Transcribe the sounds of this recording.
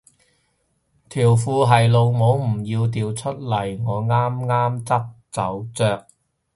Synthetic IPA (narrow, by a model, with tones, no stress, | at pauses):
t̪ʰiː˨˩wfuː˧ɦɐ˨jlo˨wŋo˨˥wm̩˨˩jiː˧wt̪̬iː˨˧wt͡ʃʰɵ˥t̚lɐ˨˩jŋɔː˨˧ŋaː˥mŋaː˥mt͡sɐ˥k̚t͡sɐ˨˥wt͡sœː˧k̚